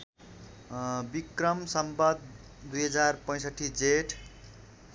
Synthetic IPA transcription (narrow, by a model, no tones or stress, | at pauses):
bikrʌmsʌmbʌd̪̚ | d̪ujɦʌd͡zarpʌ̃j̃sʌʈʰːid͡zeʈʰ